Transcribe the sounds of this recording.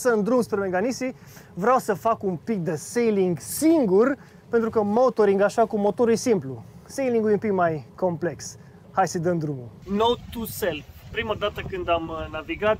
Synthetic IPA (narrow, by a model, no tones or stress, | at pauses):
sənd̪ɾumspɾemeɡanisi | vɾeawsəfakumpik̚d̪əsejliŋɡsiŋɡur | pent̪ɾukəmot̪o̞ɾiŋɡaʃakumo̞t̪o̞ɾujsimplusejliŋɡujumpikmajko̞mple̞ks | hajsəd̪ənd̪ɾumunowt̪uselfpɾimad̪at̪əkɨnd̪amnaviɡat̪